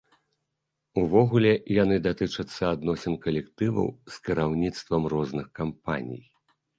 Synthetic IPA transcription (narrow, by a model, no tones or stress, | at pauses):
uvɔɣulʲɛjanɨd̪at̪ɨt͡ʂɐt̪sːɐad̪nɔsʲɐmkɐlʲɛkt̪ɨvɐ̰wskʲiɾawnʲit̪st̪vɐmrɔznɨxkampa̰nʲḭj